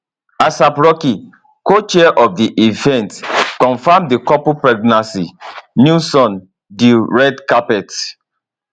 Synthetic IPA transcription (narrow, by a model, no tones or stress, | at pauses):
asapɹɔki | kot͡ʃɛʔɔfdiʔivɛ̃ntkɔ̃nfamdikɔpupɹɛɡnãsḭnjusɔ̃n | diɹɛdkapɛt